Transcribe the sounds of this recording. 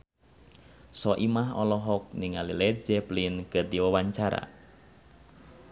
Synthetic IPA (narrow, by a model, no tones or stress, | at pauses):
sɔʔimaɦɔlɔɦɔk̚niŋalilɛt̚d͡ʒɛplinkɨrdiwawaɲt͡ʃaɾa̰